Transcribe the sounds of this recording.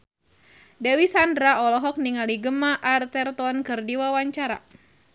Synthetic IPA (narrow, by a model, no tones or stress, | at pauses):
dɛwisandɾaɔlɔɦɔk̚niŋaliɡəmaʔart̪ɛrt̪ɔnkɨrdiwawaɲt͡ʃaɾa̰